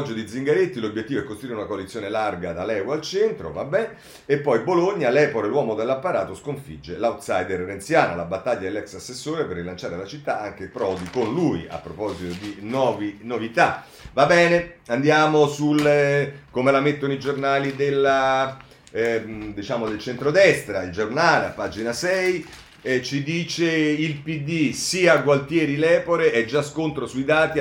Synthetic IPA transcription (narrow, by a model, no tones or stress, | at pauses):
d͡ʒːod̪id̪ziŋɡaɾet̪ːilobjet̪ːiːvoɛkːost̪ɾuiɾeunakoalit̪sːjoːnelarɡad̪alɛːwalt͡ʃɛnt̪ɾo̰vabːɛn | epːɔjboloɲːalɛːpokalwɔːmod̪elːapːaɾaːt̪oskoɱfid͡ʒːelawt̪sajd̪erɾent̪sjaːnalabat̪ːaʎːad̪elːɛksasːesːoːɾeperːilant͡ʃaːɾelat͡ʃit̪ːaaŋk̟epɾɔd̪ikonluja̰pːɾopɔzit̪od̪inwɔːvinovit̪a | vabɛːneand̪jaːmosulkomelamet̪ːonoid͡ʒornaːlid̪elːa | d̪it͡ʃaːmod̪elt͡ʃɛnt̪ɾod̪ɛst̪ɾaild͡ʒornaːleapːaːd͡ʒinasɛj | t͡ʃid̪iːt͡ʃeilpid̪ːisiːaːɡwalt̪jɛːɾilɛːpoɾeʔɛd͡ʒːaskont̪ɾosuid̪aːt̪i